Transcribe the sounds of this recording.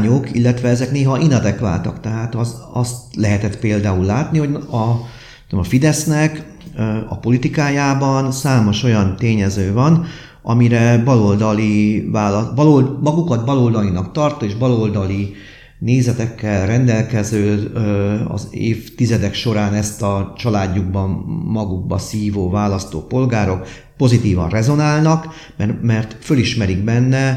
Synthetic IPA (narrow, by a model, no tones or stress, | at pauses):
ɲokilːɛt̪ʋɛɛzɛkneːɦɒʔinɒd̪ɛkʋa̰ːt̪ɒ̰kt̪ɛɦaːt̪ɒzɒst̪lɛɦɛt̪ɛt̪peːld̪aːulːaːt̪niho̞ɟɒ | ɔmɒfid̪ɛsnɛk | ɒ̰po̞lit̪ikaːjaːbɒnsaːmo̞ʃo̞jɒnt̪eːɲɛzøːvɒn | ʔɒmiɾɛbɒlo̞ld̪ɒlivaːlɒblolmɒɡukɒt̪̚bɒlo̞ld̪ɒlinɒkt̪ɒrt̪oeːʒbɒlo̞ld̪ɒli | neːzɛt̪ɛkːɛlrɛnd̪ɛlkɛzøː | ɒ̰zḛːft̪izɛd̪ɛkʃo̞ɾaːnɛst̪ɒt͡ʃɒlaːɟːuɡbɒmːɒɡuɡ̚bɒsiːvoːvaːlɒst̪o̰ːpo̞lɡaːɾo̞k | po̞zit̪iːvɒ̰nrɛzo̞naːlnɒk | mɛmɛrt̪føliʃmɛɾiɡ̚bɛnːɛ